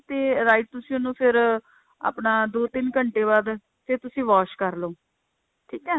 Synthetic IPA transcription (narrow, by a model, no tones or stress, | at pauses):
t̪eːɾaːiʈ̚t̪ʊsĩːʊnũːpʰɪɾ | a̰ːpnaːd̪oːt̪ɪnkəɳʈeːbaːd̪ | seːt̪ʊsĩːʋaːʃkəɾlõː | ʈʰiːkɛː